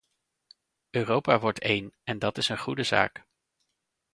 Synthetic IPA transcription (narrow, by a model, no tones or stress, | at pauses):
øːrowpaːʋɔɹtejnɛndɑtɪsənχudəza̰ːk